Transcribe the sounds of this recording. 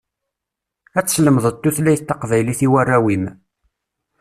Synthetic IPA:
æt͡sːsləmðˤət̪ːuθlæjθt̪ːɑqvæjliθiwærːæwim

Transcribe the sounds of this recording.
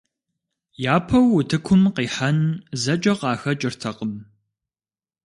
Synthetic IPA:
jaːpʰɐwːʊtʰɨkʷʰʊmqiːħanzɐd͡ʒʼɐqɑːxɐt͡ʃʼɪrtʰɐqəm

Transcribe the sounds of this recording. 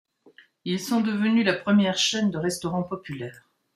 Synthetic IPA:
ilsɔ̃d̪əvənylapχəmjɛʁʃɛnd̪əʁɛst̪ɔʁɑ̃pɔpylɛːʁ

